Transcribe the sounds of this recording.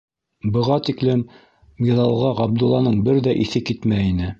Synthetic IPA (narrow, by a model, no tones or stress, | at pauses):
bɤ̆ʁɑt̪iklɘm | miðɑlˠʁɑʁɑb̚d̪ulˠːɑnɤɴbɘɾðæʔiθɘkit̪mæinɘ